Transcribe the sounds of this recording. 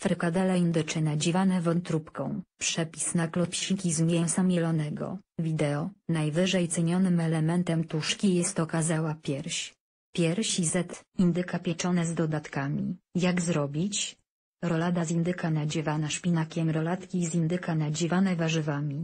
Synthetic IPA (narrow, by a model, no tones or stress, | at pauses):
fɾɛkad̪ɛlaind̪ɘt͡ʂɘnad͡ʑivanɛvɔt̪ɾupkɔ̰̃w̃pʂɛpʲisnaklɔpɕikʲizmʲjɛwsamʲjɛlɔnɛɡɔ̰vʲid̪ɛɔnajvɘʐɛjt̪sɛɲɔnɘmɛlɛmɛnt̪ɛmt̪uʂkʲijɛst̪ɔkazawapʲjɛɾɕ | pʲjɛɾɕizɛt̪ind̪ɘkapʲjɛt͡ʂɔnɛzd̪ɔd̪at̪kamʲḭjaɡzɾɔbʲit͡ɕ | ɾɔlad̪azind̪ɘkanad͡ʑɛvanaʂpʲinakʲɛmɾɔlat̪kʲizʲind̪ɘkanad͡ʑivanɛvaʐɘvamʲi